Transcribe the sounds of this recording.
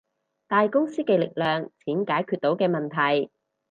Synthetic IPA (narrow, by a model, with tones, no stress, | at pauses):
t̪aː˨˧jkʊ˥ŋsiː˥kɛ˧lɪ˨k̚lœː˨ŋt͡sʰiː˨˥nkaː˨˥jkʰyː˧t̪̚o˨˥wkɛː˧mɐ˨nt̪ʰɐ˨˩j